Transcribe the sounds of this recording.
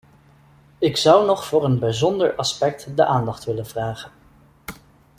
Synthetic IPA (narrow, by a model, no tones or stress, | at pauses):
ɪksʌwnɔχfʊːɹənbɛjzɔndəɹʔɑspɛk̚tdəʔaːndɑχtʋɪlənv̥raːχən